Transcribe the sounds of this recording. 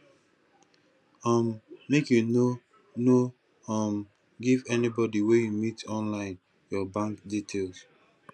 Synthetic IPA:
ɔmmekjuno | no | ɔ̃m | ɡivɛnibɔdiwejumitɔ̃nlãɪ̃n | jɔbãŋkditʰels

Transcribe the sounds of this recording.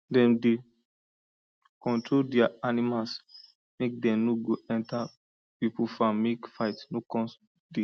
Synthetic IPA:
dɛ̃mde | kɔ̃ntɹoldɛaanimals | mek̚dɛ̃mnoɡoɛ̃nta | pipufãmekfaɪtnokɔ̃ns | de

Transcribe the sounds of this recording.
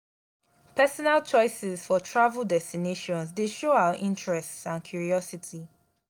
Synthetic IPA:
pɛsɔnalt͡ʃɔɪsɪzfɔtʰɹavəlˠdɛstineʃɔ̃nsdeʃoaʊwaʔĩntɹɛstãnkʰjuɹiɔsitʰi

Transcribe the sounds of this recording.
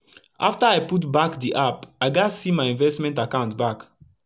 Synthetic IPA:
a̰ftaaɪputbakdiʔapaɪɡasimaɪĩnvɛstmɛ̃ntakãʊ̃ntbak

